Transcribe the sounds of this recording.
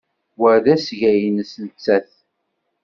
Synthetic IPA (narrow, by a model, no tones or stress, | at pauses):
wəɾðæsʝæjənəsnət͡sːæθ